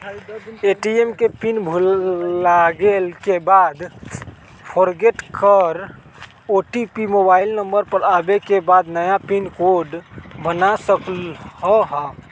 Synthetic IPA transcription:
eʈiemkepinbʱulːaɡelkebad̪ | pʰɔɾɡeʈkəɾ | oʈipimobaɪlnəmbəɾpəɾabekebad̪nəjapinkoɾɖbənasəklɦɔɦɔ

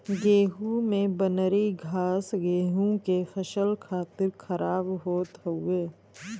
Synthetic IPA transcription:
ɡeːɦũmẽbənəɾiɡʱaːsɡeːɦũkefɐʃəlkʰaːt̪ɪɾkəɾaːbɦoːt̪ɦəʊeː

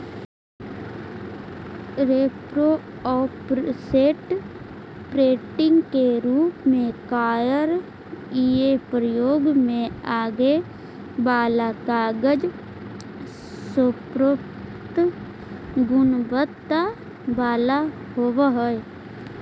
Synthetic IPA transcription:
ɾeːpɾo | ɔːpɾseːʈ | pɾeːʈɪ̃ŋɡkeɾuːpmẽkaːjəɾ | iːepɾəjoːɡmẽaːɡe | baːlakaːɡəd͡ʒ | sopɾop | t̪ | ɡʊnbət̪ːa | baːla | hoːʋaɦəe

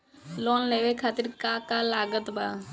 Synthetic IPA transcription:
loːnleːʋekʰaːt̪ɪɾkaːkaːlaːɡət̪baː

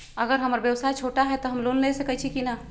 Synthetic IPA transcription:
əɡəɾɦəməɾbjəwsajt͡ʃʰoːʈaɦɛt̪oɦɐmloːnlesəkət͡ʃʰikina

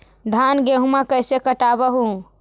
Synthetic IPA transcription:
d̪ʱanɡeɦumakəjsekəʈabəɦũ

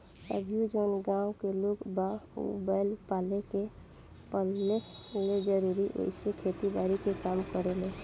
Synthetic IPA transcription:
ə̰bjud͡ʒoːnɡãʊkeloɡbaṵbaɪlpaːleke | pəlːeled͡ʒəɾuɾiʔo̰ɪsekʰet̪ibaɾikekaːmkəɾele

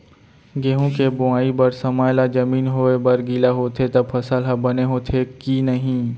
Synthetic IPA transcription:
ɡeːɦõkebʊaːibɐɾsɐmaːjlad͡ʒɐmiːnɦoebɐɾɡilaɦoːt̪ʰet̪ɐbfʰɐsəlɦɐbɐneɦoːt̪ʰekinɐɦĩː

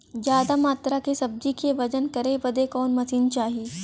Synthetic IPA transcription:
d͡ʒjaːd̪amaːt̪ɾakesɐb̚d͡ʒikeʋɐd͡ʒənkɐɾebɐd̪ekɔːnmɐsiːnt͡ʃaːɦieː

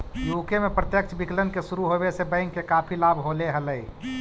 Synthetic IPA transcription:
jukemepɾət̪jək̚t͡ʃʰbiklənkesuɾuɦobesebə̃ɪŋkːekapʰilabʱɦoleɦələi

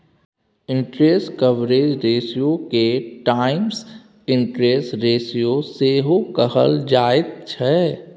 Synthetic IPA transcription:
ɪ̃ɳʈɾeːskəʋɾeːd͡ʒɾeːsijokeʈaːɪms | ɪ̃ɳʈɾeːsʈɾeːsijoseːɦokəɦə̰ld͡ʒaːɪt̪̚t͡ʃʰɛ

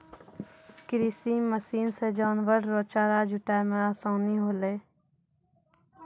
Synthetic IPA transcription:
kɾiːsiməsiːnsed͡ʒaːnʋəɾːoːt͡ʃaːɾad͡ʒʱʊʈaːjmeɾasõːniɦoːleː

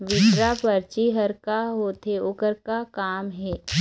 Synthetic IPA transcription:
ʋɪʃɾapəɾt͡ʃiɦəɾkaɦoːt̪eʊkəɾkakaːmɦɛː

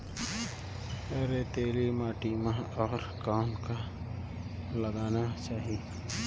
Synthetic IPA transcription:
eːɾet̪eːlimaːʈimãɔːɾkaːnka | ləɡaːnat͡ʃaːɦi

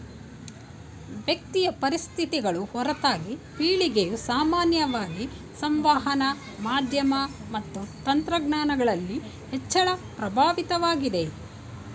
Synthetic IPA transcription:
ʋjɐk̚t̪ijɐpɐɾist̪ʰit̪iɡɐɭuhɔɾɐt̪aːɡipiːɭiɡejusaːmaːnjɐʋaːɡi | sɐmʋaːɦɐnɐ | maːd̪ʱjɐmɐmɐt̪ːut̪ɐnt̪ɾɐɡnaːnɐɡɐɭɐlːi | hɛt͡ʃːɐɭɐpɾɐbʱaːʋit̪ɐʋaːɡid̪e̞

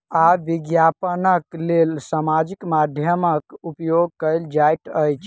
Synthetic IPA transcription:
aʋiɡjapənəklelsamad͡ʒikmad̪ʱjəməkupjoɡ̚kəjld͡ʒajʈəjt͡ʃʰ

